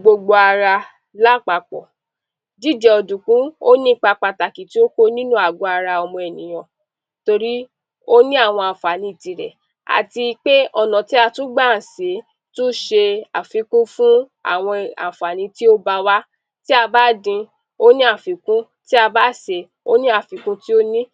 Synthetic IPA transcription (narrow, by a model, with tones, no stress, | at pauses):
ɡ͡bo˧ɡ͡bo˧a˧ɾa˧ | la˦˨k͡pa˧k͡pɔ̰˨ | d͡ʒi˦˨d͡ʒɛ˨ɔ˧dũ˨kũ˦o˦nĩ˦k͡pa˧k͡pa˧ta˨ki˨ti˦o˦ko˦nĩ˦nũ˦a˨ɡo˨˧˦a˧ɾa˧ɔ˧mɔ̃˧ɛ˨nĩ˨j̃ɔ̃˨ | to˧ɾi˦ | o˦nĩ˦a˦˨w̃ɔ̃˧a˨fa˨nĩ˧i˨ti˨ɾɛ̰˨ | a̰˨ti˧k͡pe˦ɔ˦˨nã˨ti˦a˧tũ˦ɡ͡ba˦˨n̩˨se˨˦ | tũ˦ʃe˧a˨fi˨˦kũ˦fũ˦a̰˦˨w̃ɔ̃˧a̰˨fa˨nĩ˨˧ti˦o˦ba˧wa˦ | ti˦a˧ba˦˨dĩ˧ | o˦nĩ˦a˦˨fi˨˦kũ˦ | ti˦a˧ba˦˨se˧ | o˦nĩ˦a˦˨fi˨˦kũ˦ti˦o˦nĩ˦